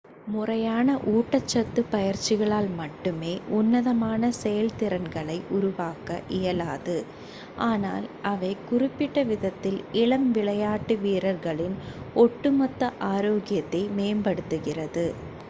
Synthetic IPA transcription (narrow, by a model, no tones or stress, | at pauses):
mʊrɐjaːnɐʔuːʈːɐt͡ʃːɐt̪ːɯpɐjɐɾt͡ʃːɪɣɐɭaːlmɐʈːɯmeːʔʊnːɐðɐmaːnɐsɛjɐlt̪ɪɾɐnɡɐɭɐɪʔʊɾʊʋaːkɐʔɪjɐlaːðɯ | ʔaːna̰ːlʔɐʋɐɪkʊrɪpːɪʈːɐʋɪðɐt̪ːɪlɪɭɐmʋɪɭɐjaːʈːɯʋiːɾɐɾɣɐɭɪnɔʈːɯmɐt̪ːɐʔaːɾoːɣɪjɐt̪ːɐɪmeːmbɐɽɯt̪ːɯɣɪrɐðɯ